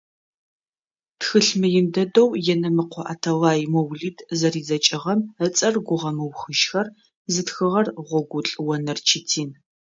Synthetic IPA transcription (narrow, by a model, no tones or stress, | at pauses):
txɨɬmɨjɪndɐdowjɛnɐmɨqʷɔʔa̰ːtʰɐwaːjmowɮiːdʰzɐriːzɐt͡ʃʼɪʁɐmət͡sʼɐrɡʷʊʁɐmɨwxɨʃxɐr | zɨtxɨʁɐrʁʷɔɡʷʊɬʼɨwɐnɨrt͡ʃʰitʰiːn